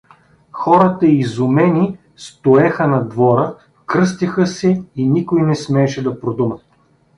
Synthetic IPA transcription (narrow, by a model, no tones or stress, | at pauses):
xɔɾət̪ɐizʊmɛni | st̪oɛxənɐd̪vɔɾə | kɾɤst̪ixəsɛinikojnɛsmɛːʃɛd̪ɐpɾod̪umət̪